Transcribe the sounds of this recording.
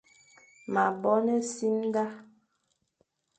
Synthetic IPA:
ma˨bɔ˦nɛ˦si˦n˦ɡa˦

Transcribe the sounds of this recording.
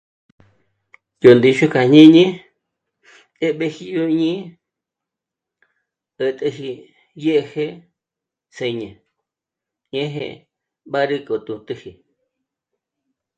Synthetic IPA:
jo˨nd̪i˧ʃu˦ka˨ɲĩ˦ɲĩ˦ | e˦ɓe˧hi˧jo˧ɲĩ˦ | ə˧t̪e˧ɦi˧ | je˦ʔhe˦ | se˧ɲã˨ | ɲẽ˦ɦḛ̃˧ | ɓa˦ɾi˧kʼo˨t̪ũ˧t̪ɨ˧hi˨

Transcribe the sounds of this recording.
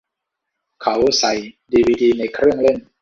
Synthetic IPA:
kʰa˦wsa˨˩jdiː˧wiː˧diː˧na˧jkʰɾɯ˥˩əŋle˥˩n

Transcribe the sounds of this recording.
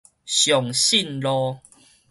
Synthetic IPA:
ɕjɔ˨˩ŋɕi˥˨nlɔ˦

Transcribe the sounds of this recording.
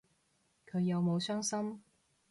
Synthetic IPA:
kʰɵ˨˧ɥjɐ˨˧wmo˨˧wsœː˥ŋsɐ˥m

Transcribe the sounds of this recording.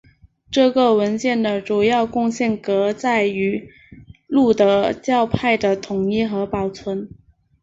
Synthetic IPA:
ʈ͡ʂɤ˥˧ɡə˩wə˧˥nt͡ɕjɛ˥˩nd̪ə˩ʈ͡ʂu˨˩jɑ˥˧ʊkʊ˥˧ŋɕjɛ˥˩nkɤ˧˥t͡sa˥˩ɪy˧˥ | lu˥˩d̪ə˩t͡ɕjɑ˥˧ʊpʰa˥˩ɪd̪ə˩t̪ʰʊ˨˩ŋjɛ˥˩xɤ˧˥pɑ˨˩ʊt͡sʰwə˧˥n

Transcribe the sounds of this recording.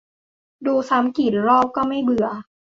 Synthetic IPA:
duː˧sa˨˦˥mki˨˩t̪̚ɾɔː˥˩p̚kɔː˥˩ma˥˩jbɯ˨˩˦ɐ

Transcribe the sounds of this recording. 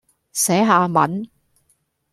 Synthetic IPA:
sɛː˨˥ɦaː˧mɐ̰˨˥n

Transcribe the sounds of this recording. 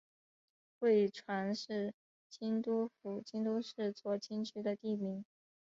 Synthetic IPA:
xwe˥˩ɪʈ͡ʂʰwa˧˥nʂɻ̩˥˩ | t͡ɕi˥nt̪u˥fu˨˩t͡ɕi˥nt̪u˥ʂɻ̩˥˧t͡swɔ˥˩t͡ɕi˥nt͡ɕʰy˥d̪ə˧t̪i˥˩mi˧˥˦ŋ

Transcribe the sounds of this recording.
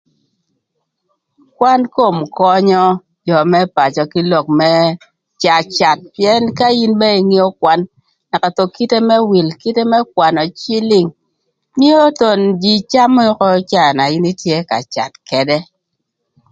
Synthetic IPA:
kwa˦nko˦˨mkɔ˦ɲɔ˦ | d͡ʒɔ˨mɛ˦pa˨t͡ʃɔ˨ki˦lɔ˨k̚mɛ˦ | t͡ʃa˨t͡ʃa˨t̚pjɛ˦nka˦ji˦nbɛ˦i˨ŋi˦ɔ˦kwa˨nː | a˨ka˨to˨ki˦te˦mɛ˦wi˨lki˦te˦mɛ˦k̚wa˨nɔ˨t͡ʃi˦li˦ŋ | mi˦o˦to˨nd͡ʒi˨t͡ʃa˦m˦ɔ˦kɔ˦t͡ʃa˨na˨ji˦ni˦tje˦ka̰˨t͡ʃa̰˨tkɛ˨dɛ˦

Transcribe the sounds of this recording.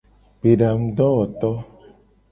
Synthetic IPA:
b̥e˨ɖa˨ŋ̩˦d̪ɔ̃˦wɔ˨t̪ɔ˦

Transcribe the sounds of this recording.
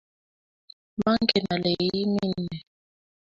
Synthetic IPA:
ma˦ŋkɛ˨na˨le˨jji˦mi˦nɛ˨

